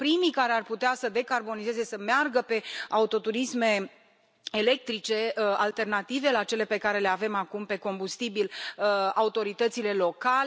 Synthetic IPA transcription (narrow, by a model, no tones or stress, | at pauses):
pɾimikaɾearput̪easəd̪e̞karbo̞nize̞ze̞səmearɡəpe̞aut̪o̞t̪uɾisme̞ | ele̞k̚t̪ɾit͡ʃe̞alt̪e̞rnat̪ive̞lat͡ʃe̞le̞pe̞kaɾe̞le̞ave̞makumpe̞ko̞mbust̪ibilaut̪o̞ɾit̪ət̪sile̞lo̞ka